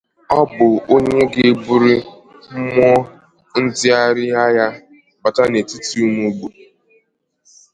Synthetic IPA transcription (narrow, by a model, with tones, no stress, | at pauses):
ɔ˦bʊ˨o˦ɲe˦ɡɪ˦˨bu˦ɾi˦ | m̩˦m˦ɔ˦ | n̩˦dɪ˦a˦ɾɪ˦a˦ja˦ | ba˨ta˦ne˨ti˦ti˦u˦mu˦ɡ͡bu˨